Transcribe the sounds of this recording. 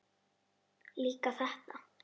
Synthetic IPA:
likasaht̪a

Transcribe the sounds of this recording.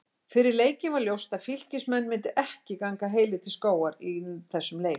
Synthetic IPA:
fɪɾɪɾleːjcɪnvaɾljowst̪aðfil̥cɪsmɛnːmɪnt̪ɪʔɛhcɪkaŋkaɦeːjlɪt̪ʰɪlskoːwaɾiθɛsːʏmleːj

